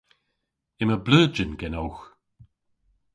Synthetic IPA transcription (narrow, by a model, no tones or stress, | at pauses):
ɪməbləːd͡ʒənɡɛnɔwx